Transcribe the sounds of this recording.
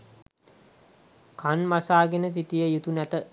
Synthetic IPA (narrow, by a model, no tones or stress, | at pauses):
kʰanmasaːɡenəs̬it̪ijəjut̪unæt̪ə